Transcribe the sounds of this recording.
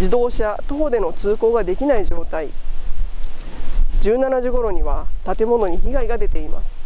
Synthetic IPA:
d͡ʑid̪o̞ːɕat̪oːd̪e̞no̞t͡sɨːko̞ːɡad̪e̞kʲinaid͡ʑo̞ːt̪ai | d͡ʑɨːnanaʑiɡo̞ɾo̞ɲ̟iβat̪at̪e̞mo̞no̞ɲ̟içiɡaiɡad̪e̞t̪e̞ima̰sɨ̥

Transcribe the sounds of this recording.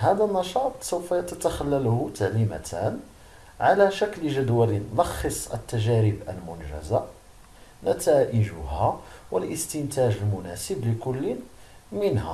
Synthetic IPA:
hæd̪ənːɑʃɑt̪ˤsəwfæjt̪ət̪axælːælht̪aʕlimæ̰t̪ʰæn | ʕalæʃæklʒæd̪wælinlɑxːəsˤə̰t̪ːæʒæɾəbʔə̰lmʊnʒæ̰za | næt̪æʔəʒʊhæwəlʔəst̪ɪnt̪æʒəlmʊnæsəbləkʊlːin | mənhæ̰

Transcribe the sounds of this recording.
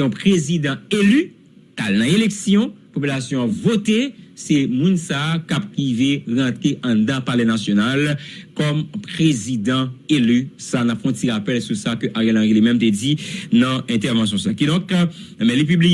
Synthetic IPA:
ɔ̃pʁezid̪ɑ̃ely | kalnɐ̃eleksjɔ̃pop̬ylasjɔ̃apvot̪esemũnsaːkap̚ʁiveʁɑ̃t̪ʁeʔɐ̃d̪ãpalɛnasjonalkɔmpʁezid̪ɑ̃elysanãpfɔ̃tiʁapɛlsusakøʔaʁɛlãʁilimɛ̃mt̪ed͡zinɐ̃ɛ̃t̪ɛʁvɑ̃s̬jɔ̃sakid̪ɔ̃kmɛ̃lip̬ybli

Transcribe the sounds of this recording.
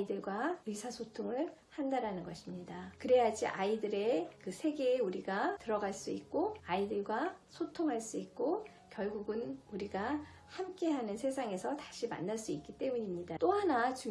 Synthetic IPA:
idɯɭɡwaisʰasʰotʰoŋɯɭhandaɾanɯnɡʌɕʰimɲidakɯɾe̞ɦad͡ʑḭʔaidɯɾe̞kɯsʰe̞ɡe̞ːuɾiɡatɯɾʌɡaɭs͈uik̚k͈oaidɯɭɡwasʰotʰoŋɦaɭs͈uik̚k͈o | kjʌɭɡuɡɯnuɾiɡa | hamk͈e̞ɦanɯnsʰe̞sʰaŋe̞sʰʌtḁɕʰima̰nːaɭs͈uik͈it͈e̞muɲimɲidat͈oɦanat͡ɕu

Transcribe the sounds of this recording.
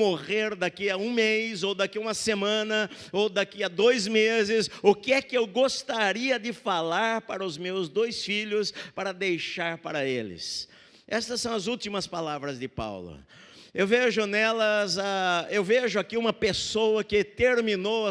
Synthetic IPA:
moʁeɾd̪akiɐũmejzowd̪akiũmɐsemɐ̃nɐ | owd̪akiɐd̪ojzmezɪsʊkɪɛkɪewɡost̪aɾiɐd̪ɪfalaɾpaɾɐʊzmewzd̪ojsfiʎʊspaɾɐd̪ejʃaɾpaɾɐelɪ̰s | ɛst̪ɐsːɐ̃w̃ɐzuwt̪imɐspalavɾɐzd̪ɪpa̰wlʊ̰ | ewveʒʊnɛlɐzaewveʒʊakiũmɐpesowɐkɪt̪eɾmĩnow

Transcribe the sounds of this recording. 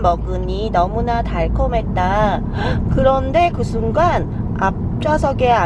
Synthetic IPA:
mʌɡɯɲinʌmunataɭkʰomɦe̞t̚t͈a | kɯɾʌnde̞kɯsʰuŋɡan | ap̚t͡ɕ͈asʰʌɡe̞a

